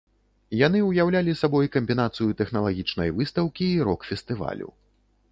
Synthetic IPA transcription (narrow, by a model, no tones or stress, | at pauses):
janɨwjawlʲalʲisabɔjkɐmʲbʲinat̪sɨjut̪ɛxnɐlˠaɣʲit͡ʂnɐ̰jvɨst̪ɐwkʲiːɾɔkfʲɛst̪ɨva̰lʲṵ